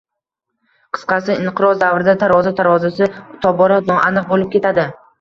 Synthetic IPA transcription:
qʰɨ̥sqɑsɪɪɴqɨɾɒzd̪avɾɪd̪at̪ʰaɾɒzat̪ʰaɾɒzasɪt̪ʰɒbɒɾat̪nɒʔanɨq̚bolɪp̚kʲe̞t̪ʰad̪ɪ

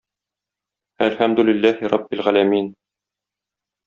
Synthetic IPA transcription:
ælħæmd̪ulɪlːæhiɾˤɑbːɪlʁælæmin

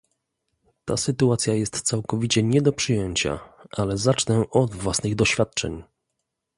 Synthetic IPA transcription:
t̪a̰sɘt̪uat̪sʲjajɛst̪t̪sawkɔvʲit͡ɕɛɲɛd̪ɔpʂɘjɛɲt͡ɕa̰ʔalɛzat͡ʂnɛʔɔd̪vwasnɘɣd̪ɔɕfʲat̪̚t͡ʂɛ̰ɲ

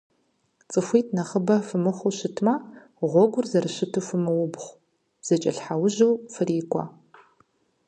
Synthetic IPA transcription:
t͡sʼɨxʷiːtʰnɐχəbɐfɨmɨχʷʊɕɪtʰmaː | ʁʷɔɡʷʊrzɐrɨɕɪtʰɨfɨmɨwʊbχʷ | z̥ɐt͡ʃʼɐ̰ɬħawʊʑuwfɨriːkʷʰʼɔ̰

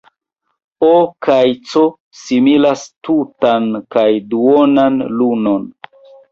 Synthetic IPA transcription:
okajt͡so | similastutankajduonanluno̞n

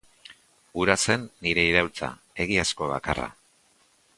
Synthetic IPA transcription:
ɡuɾase̞nːiɾe̞iɾawlt͡sa̰ | e̞ɣ̞iasko̞β̞a̰ka̰ra̰

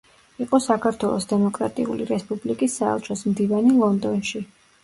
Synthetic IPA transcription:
iqʼɔsakʰaɾt̪ʰwɛlˠɔsd̪ɛmɔkʼɾa̰t̪ʼḭṵlḭɾɛspʼublikʼisːaɛ̰lˠt͡ʃʰɔsmd̪ivanilˠɔnd̪ɔnʃi

